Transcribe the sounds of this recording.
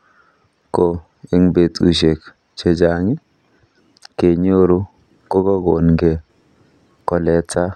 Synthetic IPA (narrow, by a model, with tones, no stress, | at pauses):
ko˨ | e˨ŋbe˨tu˨ʃe˨k | t͡ʃe˦d͡ʒa˨ŋi˦ | ke˨ɲo˦ɾu˦ | ko˦kɔ˦ɡo˨nɡe˨ | kɔ˨lɛ˨t͡sa˦